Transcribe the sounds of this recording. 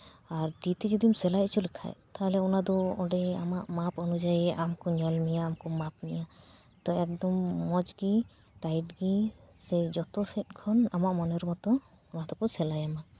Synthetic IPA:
aɾd̪it̪ɛd͡ʒɔd̪imsɛlajt͡ʃʰulɛkʰa̰jt̪aɦlɛɔnad̪ɔɔɖɛa̰maʔmapɔnud͡ʒajɛʔamkɔɲɔlmijaːmkɔmap̚mija | t̪ɔɛk̚d̪ɔmːɔd͡ʒɡi | ʈajʈɡisɛd͡ʒɔt̪ɔsɛt̚kʰɔnamaʔmɔnɔɾmɔt̪ɔ | ɔnad̪ɔkɔsɛlajama

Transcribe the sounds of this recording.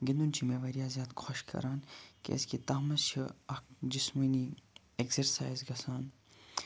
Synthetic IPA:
ɡind̪unt͡ʃʰimeːʋɐɾijaːzʲjaːd̪kʰoʃkʰɐ̰ɾaːnkḛɐ̰skit̪ɐːmɐst͡ʃʰiɐkd͡ʒismɐniː | eksɐɾsa̰ːjzɡɐsaːn

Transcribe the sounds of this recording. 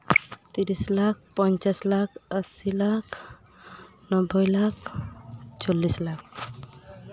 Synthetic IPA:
t̪iɾislak̚ʰpɔnt͡ʃaslakʰəsilakʰ | nɔbʱɔjlak | t͡ʃɔlːislak̚ʰ

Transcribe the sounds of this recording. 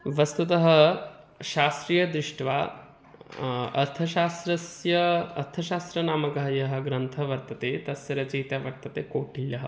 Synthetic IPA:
ʋɐst̪ut̪ɐɦɐ̆ | ʃaːst̪ɾijɐd̪ɾɪʂʈʋaː | ɐ̰ɾt̪ʰɐʃaːst̪ɾɐsjɐɐɾt̪ʰɐʃaːst̪ɾɐnaːmɐkɐɦɐjɐɦɐ̆ɡɾɐnt̪ʰɐʋɐɾt̪ɐt̪eːt̪ɐsjɐɾɐt͡ʃɐɦit̪jaːʋɐɾ̚t̪ɐt̪eːkoːʈiljɐɦɐ̰

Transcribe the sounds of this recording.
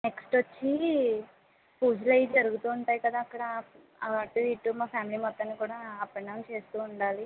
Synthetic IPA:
neksʈʋɐt͡ʃːi | puːd͡ʒlɐjd͡ʒɐɾuɡut̪uːɳʈaːjkɐd̪aːkːɐɽɐ | ɐʈːuiʈːumaːpʰjaːmilimɐt̪ːɐnːikuːɽaːpeɳːɐnt͡ʃe̞ːst̪uːɳɖaːli

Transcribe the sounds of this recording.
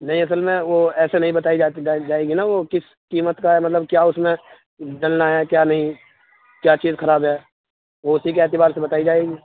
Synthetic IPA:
nɐɦĩɐs̬əlmẽʋoɛːsenɐɦĩbɐt̪aːid͡ʒad͡ʒaːeːɡinaʋokɪs | kiːmət̪kaɛmɐt̪ləbkjaːʊsmẽ | ɖɐlnaɦɛkjaːnɐɦĩ | kjaːt͡ʃiːzxʰɐɾaːbɦɛː | ʋoʊsikeɛːt̪ɪbaːɾsebɐt̪aːid͡ʒaːeːɡiː

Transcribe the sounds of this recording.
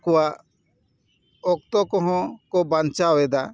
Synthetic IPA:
kɔwaʔ | ɔk̚t̪ɔkɔ̃ɦɔ̃kɔbant͡ʃaɔwɛd̪a

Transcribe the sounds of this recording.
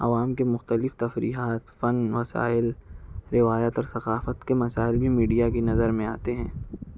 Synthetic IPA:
ɐ̰ʋaːmkemʊxt̪əlɪft̪ɐfɾḭːɦaːt̪fɐnʋɐsa̰ːɪlɾɪʋaːjaːt̪ɔːɾsɐqaːfət̪kemɐsaːɪlbʱimiːɖijakinɐzəɾmẽaːt̪eɦɛ̃ː

